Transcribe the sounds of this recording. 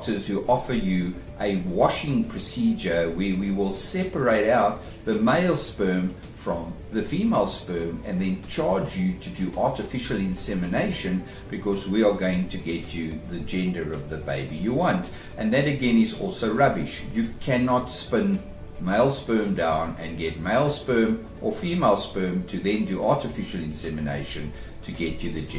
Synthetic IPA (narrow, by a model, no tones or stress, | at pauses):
tə˞z̥hʉʔɔfə˞jɨ | ʔɨwɑʃɪ̃ŋpʰɹ̥ɨsid͡ʒə˞wəwiwɪlˠsɛpə˞eɪɾaʊt̪̚ | ðɨmeɪlˠspɜ̃˞m | fɹʌ̃m | ðɨfimeɪlˠspɜ̃˞mɨ̰̃nðɨ̃nt͡ʃʰɑɹd͡ʒjɨɾɨdɨʔɑɹɾɨfɪʃl̩ˠɪ̃nsɛmɨneɪʃɨ̃n | b̥ɨkʰɔzwiə˞ɡoʊɪ̃ŋtʰɨɡɛt͡ʃɨðɨd͡ʒɛ̃ndə˞ʌvðɨbeɪbijɨwɑ̃nt | ʔɨ̃nðɨɾɨɡɛ̃nɪzɔ̰lˠsoʊɹʌbɪʃjɨkʰænɑtspɪ̃n | meɪlˠspɜ̃˞mdãʊ̃nɨ̰̃nɡɛt̚meɪlˠspɜ̃˞m | ʔə˞fimeɪlˠspɜ̃˞mtʰɨðɨ̃ndɨʔɑɹɾɨfɪʃl̩ˠɪ̃nsɛmɨnḛɪʃɨ̃n | tʰɨɡɛt͡ʃɨðɨd͡ʒɛ̃